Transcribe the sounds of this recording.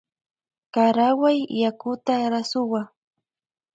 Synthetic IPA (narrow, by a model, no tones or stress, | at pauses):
kaɾawajːakʊt̪aɾasʊwa